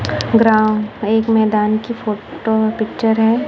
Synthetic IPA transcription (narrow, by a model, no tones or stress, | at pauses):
ɡɾãːeːkmɛːd̪aːnkifoːʈopɪkt͡ʃəɾɦɛː